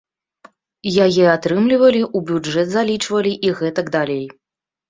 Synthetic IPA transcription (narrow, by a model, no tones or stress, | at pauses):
jajɛat̪ɾɨmlʲivɐlʲiʔubʲud͡ʐɛd̪zalʲit͡ʂvɐlʲiʔiɣɛt̪ɐɡd̪alʲej